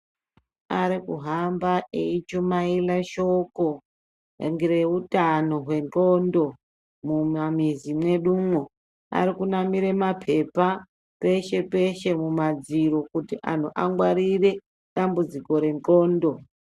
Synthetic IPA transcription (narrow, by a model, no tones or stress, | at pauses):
aɾikuɦambaʔeit͡ʃumailaʃoko̞̰ | ŋɡire̞utano̞ɦwe̞nt͡ɬo̞ndo̞ | mumamizimwe̞ɗuːmwo | a̰ɾikunamiɾemapʰe̞pa | pe̞ʃe̞pe̞ʃe̞mumad͡ziɾo̞kutiʔa̰n̤uʔaŋɡwaɾire̞ | ɗambud͡ziko̞ɾe̞nko̞ːndo̞